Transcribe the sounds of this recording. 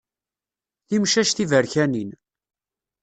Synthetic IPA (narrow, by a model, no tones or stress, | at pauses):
θimʃæʃθivəɾçænin